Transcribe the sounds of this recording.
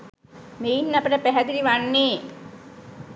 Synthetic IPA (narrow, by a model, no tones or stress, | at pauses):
meinːapəʈəpæɦæd̪iɾiʋanːeː